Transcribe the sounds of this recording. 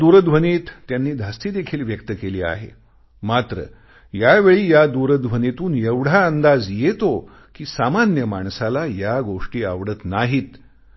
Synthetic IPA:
d̪uɾəd̪ʋəniːt̪ːjanːiːd̪ʱast̪iːd̪ekʰiːlʋjək̚t̪əkeliːa̰ɦḛ | mat̪ɾə̰ | jaʋeɭiːjad̪uɾəd̪ʋənit̪uːnjeʋɽ̤aənd̪ad͡zjet̪o | kiːsamanjəmaɳsalajaɡoʂʈiːaʋɽət̪naɦiːt̪

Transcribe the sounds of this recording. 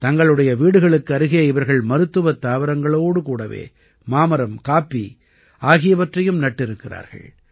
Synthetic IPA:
t̪ɐŋɡɐɭɯɽɐjɐʋiːɽɯɣɐɭɯkːɯɐɾɯɣɪjɐɪʋɐɾɣɐɭmɐɾɯt̪ːɯʋɐt̪ːaːʋɪɾɐŋɡɐɭoːɽɯkuːɽɐʋḛː | maːmɐɾɐmkaːpːi | aːɣɪjɐʋɐʈrɐjɯmnɐʈːɪɾɯkːɪra̰ːɾɣɐ̰ɭ

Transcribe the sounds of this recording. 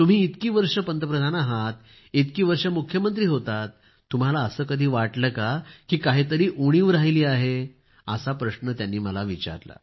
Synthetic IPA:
t̪um̤iːit̪kiːʋəɾʂəpənt̪əpɾəd̪ʱanaɦat̪ | it̪kiːʋəɾʂəmukʰjəmənt̪ɾiːɦot̪at̪ː | um̤alaəsəːkəd̪ʱiːʋaʈləkakiːkaɦiːt̪əɾiːʔuɽ̃iːʋɾaɦiliːaɦe | əsapɾəɕnət̪janːiːməlaʋit͡ɕa̰ɾla̰

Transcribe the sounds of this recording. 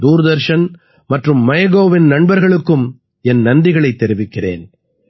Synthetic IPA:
d̪uːɾɯd̪ɐɾʂɐn | mɐʈrɯmːɐjɐɣoːʋɪnnɐɳbɐɾɣɐɭɯkːɯm | ɛnnɐnd̪ɪɣɐɭɐɪt̪ːɛɾɪʋɪkːɪrḛːn

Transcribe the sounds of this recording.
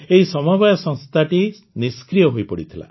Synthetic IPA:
eɦisɔmɔbajɔsɔŋst̪ʰaʈi | niskɾijɔɦojpɔɽit̪ʰila̰

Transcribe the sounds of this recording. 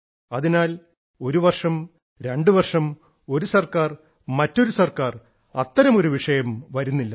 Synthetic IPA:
ɐðinaːl | o̞ɾuʋɐrʂɐm | ɾe̞ɳɖɨʋɐrʂɐm | o̞ɾusɐrkaːr | mɐtːo̞ɾusɐrkaːr | ɐt̪ːɐɾɐmo̞ɾuʋiʂɐjɐmʋɐɾunːilːɐ

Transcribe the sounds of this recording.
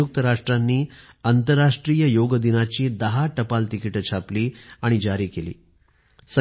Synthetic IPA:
uk̚t̪əɾaʂʈɾanːiː | ant̪əɾːaʂʈɾijəjoɡəd̪inat͡ɕiːd̪əɦaʈəpalt̪ikiʈət͡ɕʰapliːaɽ̃id͡ʑaɾiːkelḭː | sə

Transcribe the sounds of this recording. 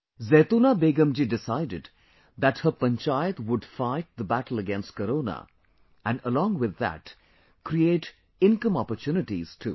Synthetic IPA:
zeːt̪unabeːɡə̃md͡ʒiɖɪsaɪɖɪɖ | d̪æʈhəpə̃nt͡ʃajət̪wʊɖfaɪʈ̚d̪əbæʈl̩ˠəɡɛ̃nst̚kəɾoːna̰ | æ̃nɖəlɔ̃ːŋɡwɪd̪ːæ̰ʈ | kɾieːʈ | ɪ̃nkə̃mɔpəɾtjunɪʈiz̥ʈʰṵ

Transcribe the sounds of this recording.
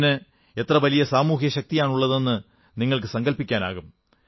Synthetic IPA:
nɨ | e̞t̪rɐʋɐlijɐsaːmuːɦjɐɕɐk̚t̪ijaːɳuɭːɐðe̞nːɨ | niŋːɐɭk̬ɨsɐŋɡɐlpikʲːaːna̰ːɣum

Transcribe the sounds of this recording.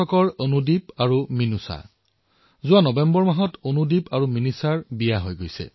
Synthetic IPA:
ɔkɔɹonudipaɹuminusa̰ | zʊwanɔbɛmbɔɹmaɦɔtonudipaɹuminisaɹbijaɦojɡojsɛ̰

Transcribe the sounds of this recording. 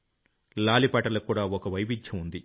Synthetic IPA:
laːlipɐːʈɐlɐkːuːɽaːɔkɐʋɐjbid͡ʒt͡ʃʰɐmund̪i

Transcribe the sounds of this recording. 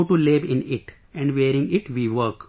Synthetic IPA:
ʈulɪʋɪ̃nɪʈ | ɛ̃ɳɖʋeːɾɪ̃ŋɡɪʈʋiːʋəɾk

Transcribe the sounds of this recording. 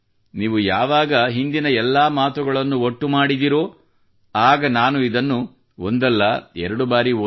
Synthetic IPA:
niːʋujaːʋaːɡɐɦind̪inɐɛlːaːmaːt̪uɡɐɭɐnːuoʈːumaːɽid̪iɾoː | aːɡɐnaːnuid̪ɐnːu | o̰nd̪ɛlːɐɛɾɐɽubaːɾi

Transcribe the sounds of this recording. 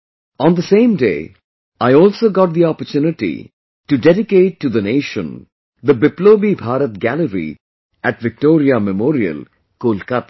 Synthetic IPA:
ɔ̃nd̪əsẽːmdḛː | aɪɔːlsoːɡɔʈ̚d̪iɔpəɾt͡ʃjunɪʈḭ | ʈuɖɛɖɪkeːʈːud̪əneːʃə̃n | d̪əbɪploːbibʱaːɾət̪̚ɡæləɾḭ | æʈʋɪk̚ʈoːɾiamɛmɔːɾiə̰l | koːlkat̪

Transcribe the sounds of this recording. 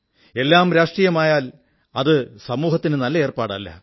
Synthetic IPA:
e̞lːaːmɾaːʂʈrijɐmaːjaːl | ɐðɨsɐmuːhɐt̪ːinɨnɐlːɐe̞ːrpaːɽɐ̰lːɐ̰

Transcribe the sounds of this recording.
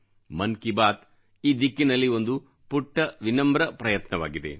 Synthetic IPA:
mɐnkibaːt̪ | iːd̪ikːinɐlːio̞nd̪u | puʈːɐʋinɐmbɾɐpɾɐjɐt̪nɐʋa̰ːɡid̪e̞̰

